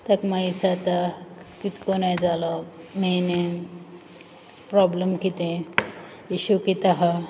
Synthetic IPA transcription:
t̪akmaisat̪akit̪konajd͡zalɔmene | pɾɔbləmkit̪ẽ | iɕukit̪aɦa

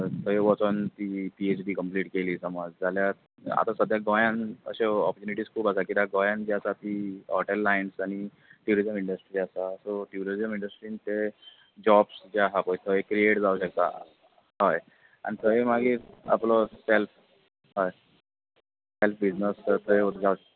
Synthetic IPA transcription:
t̪ʰəeʋɔt͡sənt̪iːpiet͡ɕɖiːkəmpliːʈkeliːsəmad͡zd͡zalja | a̰t̪asəd̪ʱjaɡɔjãnə̰ɕeɔpəɾt͡ɕuniʈiːskʰuːpasakit̪aɡɔjãnd͡ʑiəsat̪iːɔʈelːainsaɽ̃i | ʈjuɾizəmiɳɖəsʈɾiːasasoʈjuɾizəmiɳɖəsʈɾiːnt̪e | d͡ʑɔbsd͡ʑjaɦapəjt̪ʰəekɾieʈd͡zauɕək̚t̪a̰ | ɦɔj | a̰ñit̪ʰəemaɡiːɾa̰plɔself | ɦɔj | selfbid͡znəsət̪ʰəeot̪d͡zau

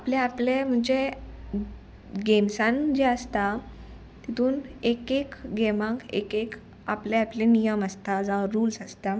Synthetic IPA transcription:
apleaplem̤əɳd͡ʑe | ɡemsãnd͡ʑeəst̪a | t̪it̪uːnekekɡeʋãŋkḛkek | apleaplenijəməst̪ad͡zaɾuːlsəst̪a

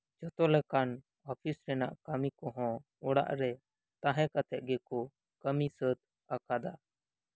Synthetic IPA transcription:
d͡ʒət̪ɔlɛkan | ɔpʰisɾɛna̰ʔkamikɔɦɔ̃ | ɔɽa̰ʔɾɛ | t̪ãɦɛ̃kat̪ɛʔ̪̚ɡɛkɔ | kəmisət̪̚ | akad̪a

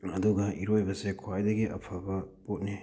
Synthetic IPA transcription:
ɐduɡɐiɾojbɐsekʰwajdɐɡiʔɐ̰pʰɐbɐpot̚ni

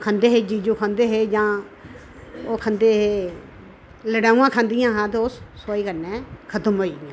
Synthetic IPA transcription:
kʰãːnd̪eːɦeːd͡ʒiːd͡ʒuːkʰə̃nd̪eːɦeːd͡ʒãː | oːkʰə̃nd̪eːɦeː | ləɽaːũːãːkʰãːnd̪ɪjãːɦãːt̪̬eːosːoːiːkəɾnẽːkʰət̪əmɦoːiːdãː

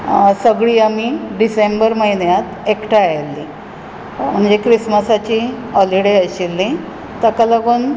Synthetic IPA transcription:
səɡɭiːamiɖisembəɾməɦinjat̪ekʈaajelːi | m̤əɳd͡zekɾisməsat͡ɕiː | ɔliɽeəɕilːĩ | t̪əkaləɡuːn

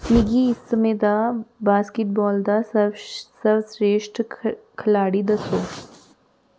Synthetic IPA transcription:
mɪɡiɪsːəmẽːd̪abaːskɪʈ̚bɔːld̪assɐbsɾeːʃʈkʰɐlaːɽid̪ɐsoː

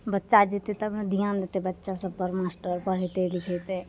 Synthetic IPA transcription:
bətːʃad͡ʒet̪et̪əbd̪ijãnd̪et̪ebətːʃasəbpəɾmaːsʈəɾpəɽ̤et̪elɪkʰet̪e

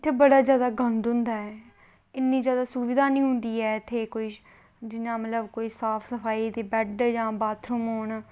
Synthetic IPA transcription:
ɪt̪ʰːeːbəɽaːzjaːd̪aːɡə̃nd̪ɦʊ̃nd̪aːɛː | ɪnːĩːzjaːd̪aːsuːbɪd̪aːnĩːɦʊ̃nd̪iːɛːɪt̪ʰːeːkoːiː | d͡ʒɪnãːmət̪ləbkoːiːsaːpʰsəpʰaːiːd̪eːbɛɖd͡ʒãːbaːt̪ʰɾumoːɳ

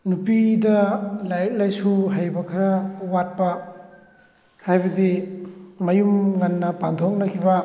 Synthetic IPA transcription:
nupidɐlajk̚lajsuɦajbɐkʰaɾɐwat̚pɐ | hajbɐdi | mɐjumŋɐnːɐpantʰok̚nɐkʰibɐ

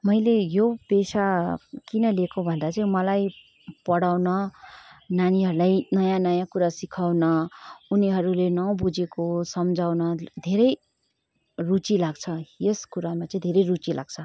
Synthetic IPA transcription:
mʌjlejopesakinʌlekobʱʌnd̪at͡sʌĩmʌlaj | pʌɽawnʌ | naniɦʌɾulajnʌjãnʌjãkuɾasikʰawnʌuniɦʌɾulenʌbud͡zekosʌmd͡zʱawnʌd̪ʱeɾʌj | rut͡silaɡt͡sʰʌjeskuɾamat͡sʌĩd̪ʱeɾʌjrut͡silʔa̰ɡ̚t͡sʰʌ

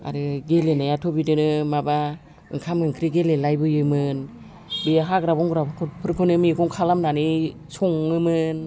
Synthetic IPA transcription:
a̰ɾɯɡelenajatʰɔbidɯnɯmaba | ɯŋkʰamɯŋkʰɾiɡelelajbɯjɯmɯn | biɦaɡɾabɔŋɡɾabkʰupʰɯɾkʰɯnɯmikʰɔŋkʰalamnani | sɔŋːɯmɯn

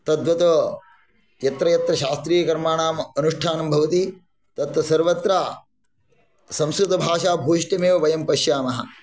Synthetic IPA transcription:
t̪ɐd̪ʋɐt̪ɐ | jɐt̪ɾɐjɐt̪ɾɐʃaːst̪ɾiːjɐkɐɾmaːɳaːmɐnuʂʈʰaːnɐmbʱɐʋɐt̪i | t̪ɐt̪ʋɐsɐɾʋɐt̪ɾaː | sɐ̃msɾut̪ɐbʱaːʃaːbʱuːʃʈjɐmeːʋɐʋɐjɐmpɐʃjaːmɐɦɐ̰

